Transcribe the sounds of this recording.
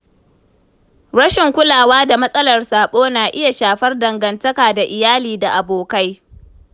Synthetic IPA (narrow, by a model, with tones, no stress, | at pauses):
ɽɐ˦ʃɪ˨ŋkʷʊ˦laː˨waː˦da˨mɐ˦sʼɐ˦lɐ˨rsaː˨ɓoː˦naː˨ʔɪ˦ja˨ʃaː˨ɸɐ˦rdɐ˨ŋɡɐ˨ntɐ˦kaː˨da˨ʔɪ˨jaː˦liː˨da˨ʔa˨boː˨ka˦j